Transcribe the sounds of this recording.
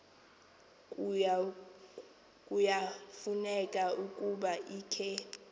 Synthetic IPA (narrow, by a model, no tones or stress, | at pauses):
kʼujafunɛkʼaukʼuɓaʔiːkʰɛ